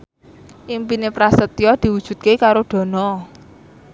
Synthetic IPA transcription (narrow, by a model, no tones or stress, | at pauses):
ʔimpinepɾasət̪jɔd̪̥i̤wud̥ʒ̥ṳt̪̚kekaɾoɖ̪̥ɔ̤nɔ